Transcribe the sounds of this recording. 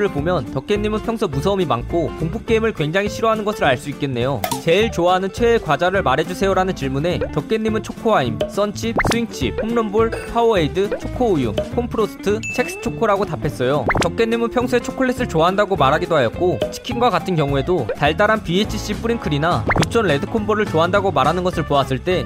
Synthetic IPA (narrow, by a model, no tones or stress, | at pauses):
ɾɯɭpomjʌntʌk͈e̞nːimɯnpʰjʌŋsʰumusʰʌmimaŋkʰokoŋpʰuk̚k͈eimɯɭkwe̞ŋd͡ʑaŋɦiɕʰiɾoɦanɯnɡʌsʰɯɾaɭs͈uik͈e̞nːe̞jot͡ɕe̞iɭt͡ɕoaɦanɯnt͡ɕʰweːkwad͡ʑaɾɯɭmaɾe̞d͡ʑusʰe̞joɾanɯnt͡ɕiɭmune̞tʌk͈̚e̞nːimɯnt͡ɕʰokʰoɦaims͈ʌnt͡ɕʰip̚s͈ʰuiŋt͡ɕʰihumnʌmbuɭpʰaoeidɯt͡ɕʰokʰoːjuŋkʰompʰɯɾosʰɯ̥tʰɯsʰek̚s͈ɯ̥t͡ɕʰokʰoɾaɡotapʰe̞s͈ʌjotʌk͈̚e̞nːimɯnpʰjʌŋsʰuet͡ɕʰokʰoɭːe̞s͈ɯɭt͡ɕoaɦandaɡomaɾɦaɡidoɦajʌt̚k͈ot͡ɕʰi̥kʰinɡwakatʰɯnkjʌŋue̞dotaɭtaɾɦanpiet͡ɕʰiɕ͈ip͈uɾinkʰɯɾinakut͡ɕʰʌnɭe̞dɯkʰonbʰʌɾɯɭt͡ɕoaɦandaɡomaɾɦanɯnɡʌsʰɯɭpoas͈ɯɭt͈e̞